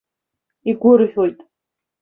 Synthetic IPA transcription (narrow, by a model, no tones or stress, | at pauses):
iɡʷʊrħᶣojtʼ